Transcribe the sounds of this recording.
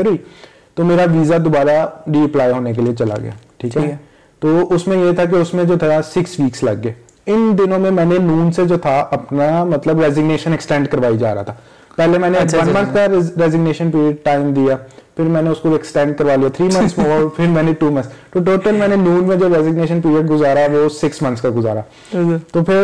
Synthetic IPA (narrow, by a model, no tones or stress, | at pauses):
ɐɾui | t̪oːmeːɾaʋiːzad̪obaːɾaɾiːɐplaːjɦoːnek̬eliet͡ʃɐla̰ɡɐ̰ja̰ːʈʰiːkɛ | t̪oːʊsmẽjet̪ʰak̬eʊsmẽd͡ʒoːt̪ʰasɪksʋiːkslɐ̰ɡːeː | ɪnd̪ɪnõmẽmɛ̃ːnenuːnsed͡ʒoːt̪ʰaʔɐpnamɐt̪ləbɾɛːzɪɡneːʃə̃nɛksʈɛ̃ːɳɖkɐɾʋaːid͡ʒa̰ːɾa̰a̰t̪ʰaː | pɛɦlemɛ̃ːneʋɐ̃nmɐ̃nt̪ʰkaɾɛːzɪɡneːʃə̃npiːɾiəɖ̚ʈaːɪmd̪ijapʰɪɾmɛ̃ːneʊskoeksʈɛ̃ːɳɖ̚kɐɾʋaːlijat̪ʰɾiːmɐ̃nsɔːɾpʰɪɾmɛ̃ːneʈuːmɐ̃ntst̪oʈoːʈəlmɛ̃ːnenuːnmẽd͡ʒoːɾɛzɪɡneːʃənpiːɾijəɖɡʊzaːɾaʋosɪksmɐ̃nskaɡʊza̰ːɾa | t̪oːpʰɪɾ